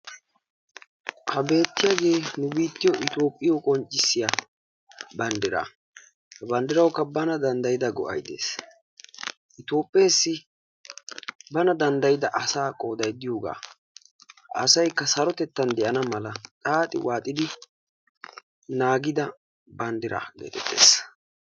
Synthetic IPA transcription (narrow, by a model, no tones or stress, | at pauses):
hɐbe̞ːt̪ːɪjaːɡe̞ːnʊbiːt̪ːɪjɔʔɪt̪o̞ːpʼːɪjokʼɔnt͡ʃʼːɪsːɪja | bɐnd̪ɪɾa̰ː | hɐbɐnd̪ɪɾɐwkːɐbɐnɐd̪ɐnd̪ɐjɪd̪ɐɡɔ̰ʔɐ̰jd̪e̞̰ːs | ʔɪt̪o̞ːpʼːɪjeːsːɪ | bɐnɐd̪ɐnd̪ɐjɪd̪ɐʔɐsaːkʼo̞ːd̪ɐjd̪ɪjo̞ːɡa̰ː | ʔɐ̰sɐjkːɐsɐɾɔt̪ɛt̪ːɐnd̪ɛʔɐnɐmɐlɐtʼaːt̪ʼɪ̰wʔaːt̪ʼɪd̪ɪ | naːɡɪd̪ɐ | bɐnd̪ɪɾa̰ːɡḛt̪ɛt̪ːḛːs